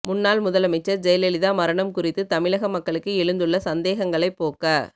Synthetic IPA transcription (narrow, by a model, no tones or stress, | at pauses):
mʊnːaːlmʊðɐlɐmɪt͡ʃːɐɾd͡ʒɛjɐlɛlɪðaːmɐɾɐɳɐmkʊrɪt̪ːɯt̪ɐmɪlɐɣɐmɐkːɐɭɯkːɯɛɻɯnd̪ɯɭːɐsɐnd̪eːɣɐŋɡɐɭɐɪpːoːkɐː